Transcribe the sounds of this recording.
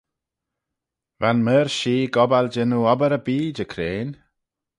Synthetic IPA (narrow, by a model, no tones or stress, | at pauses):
vanməːɾʃiːɡɔbald͡ʒɪnuɔbəɾəbiːd͡ʒəkʰɾeːn